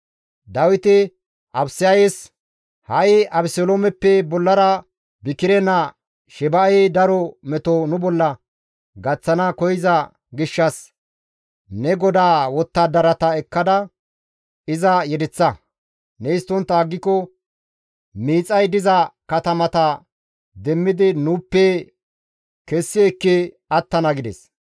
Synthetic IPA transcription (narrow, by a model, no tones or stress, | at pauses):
d̪ɐwɪt̪ɪ | ʔɐbsɪjɐjes | hɐjɐbsoloːmɛpːɛbɔlːɐɾɐ | bɪkɪɾɛnɐ | ʃɛbɐʔɛjd̪ɐɾɔmɛt̪ɔnʊbɔlːɐ | ɡɐt͡sːɐnɐkɔjɪzɐ | ɡɪʃːɐs | nɛɡɔd̪aːwɔt̪ːɐd̪ɐɾɐt̪ɐɛkːɐd̪ɐ | ɪzɐjɛd̪ɛt͡sːɐ | nɛɪst̪ːɔnt̪ːɐːɡːɪkːɔ | miːt͡sʼɐjd̪ɪzɐkɐt̪ɐmɐt̪ɐ | d̪ɛmːɪd̪ɪnupːɛ | kɛsːɪɛkːɪ | ɐt̪ːɐnɐɡɪd̪ɛ̰s